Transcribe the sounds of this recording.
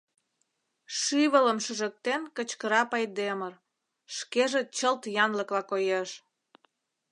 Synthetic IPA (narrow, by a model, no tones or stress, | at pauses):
ʃyβələmʃəʒə̆k̚t̪enkət͡ɕkəɾɑpɑjd̪emər | ʃkeʒet͡ɕəlt̪jɑnləklɑkojeʃ